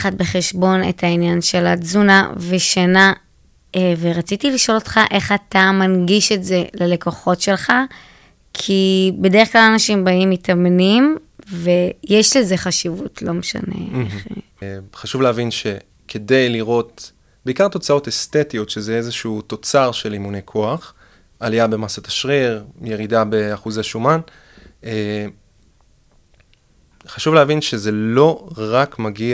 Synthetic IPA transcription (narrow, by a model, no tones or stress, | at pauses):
χatbe̞χe̞ʃbo̞nḛtʰainjanʃelazuna̰veʃana | eveʁat͡sitiliʃo̞lo̞tχaʔe̞χatamanɡiʃetze̞lele̞ko̞χo̞tʃe̞lχa | kʰibe̞deeχklalanaʃimbaimitʰamnim | vejeʃleze̞χaʃivutʰlo̞meʃa̰nḛeḛ | χaʃuvleavinʃe̞ | kʰe̞de̞jliʁo̞t̚ | b̥eikaʁt̪o̞t͡sao̞te̞st̪e̞tijo̞tʃezeezeʃut̪o̞t͡saʁʃe̞limunejkʰo̞aχ | aliabe̞masat̪aʃʁiʁje̞ʁidabeaχuzaʃuman | e | χaʃuvleavinʃeze̞lo̞ʁakmaɡi